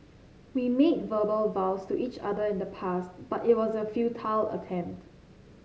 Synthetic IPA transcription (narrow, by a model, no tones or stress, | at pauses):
wimed̚vəbəlvaʊstuʔit͡ʃa̰dəɪ̃ndəpʰastb̥atɪt̚wɔzəfjutʰalə̰tʰɛ̃mpt